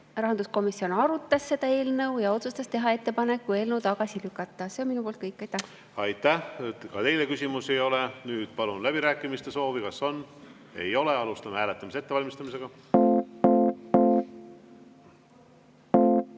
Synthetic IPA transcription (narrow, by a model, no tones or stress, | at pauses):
rɑɦɑnd̪usko̞misio̞nɑɾut̪ːˑɑsːe̞d̪ɑe̞ːlnɤwjɑo̞t̪sust̪ɑst̪e̞ɦɑe̞t̪ːe̞pɑne̞kːue̞ːlnəwt̪ɑɡ̥ɑsilykːˑɑt̪ˑːɑse̞onminupo̞ːlt̪kɤjkːˑɑjt̪ːˑæ | ɑjt̪ːˑæhkɑt̪e̞jlekysʲimuse̞jo̞lɛnyːd̪̥pɑlunlæb̥iɾæːkːˑimist̪e̞so̞ːvikɑsːo̞nː | e̞̰jo̞leɑlust̪ɑmehæːlet̪ːˑɑmiset̪ːevɑlʲmist̪ɑmis̬e̞ɡ̥ɑ